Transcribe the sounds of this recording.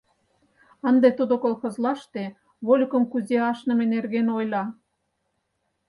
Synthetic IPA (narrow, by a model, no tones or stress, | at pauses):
ə̆nd̪et̪ud̪okolxɤ̆zlɑʃt̪e | βolʲkə̆mkuzeɑʃnə̆menerɣenojlɑ